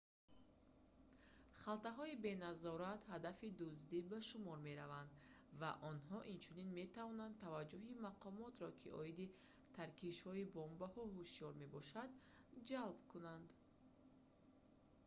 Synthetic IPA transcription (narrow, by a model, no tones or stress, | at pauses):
χalt̪aɦɔibe̞nazɔɾat̪had̪afid̪uzd̪ibaʃumɔɾme̞ɾavand̪ | vaʔɔnɦɔʔint͡ʃʰuninme̞t̪ʰavɔnand̪t̪ʰavad͡ʒːuɦimaqʰɔmɔt̪ɾɔkʰiʔɔ̰id̪i | t̪ʰaɾkiʃhɔibɔmbahɔɦuʃijɔɾme̞bɔʃad̪ | d͡ʒalbkunand̪